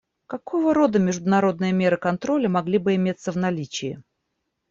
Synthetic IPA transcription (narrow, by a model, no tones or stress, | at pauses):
kɐkʰo̞vəɾo̞d̪əmʲɪʐd̪ʊnɐɾo̞d̪nɨjəmʲe̞ɾɨkɐnt̪ɾo̞lʲəmɐɡlʲibɨɪmʲet̪səvnɐlʲit͡ɕɪɪ